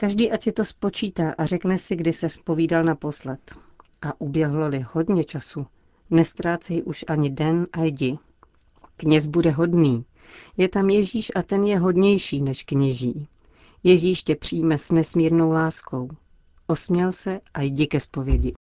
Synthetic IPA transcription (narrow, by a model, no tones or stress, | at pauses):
kaʒdiːʔacsɪt̪o̞spo̞t͡ʃiːt̪aːʔarɛknɛsɪɡdɪsɛspo̞viːdalnapo̞slɛt̪ | ʔaʔubjɛɦlolɪho̞dɲɛt͡ʃasu | nɛst̪ɾaːt͡sɛjʔuʃʔaɲɪdɛnʔajɟɪ | kɲɛzbudɛɦo̞dniː | jɛt̪amjɛʒiːʃʔat̪ɛnjɛɦo̞dɲɛjʃiːnɛʃkɲɛʒiː | jɛʒiːʃcɛpr̝̥iːjmɛsnɛsmiːɾno̞wlaːsko̞w | ʔo̞smɲɛlsɛʔajɟɪkɛspo̞vjɛɟɪ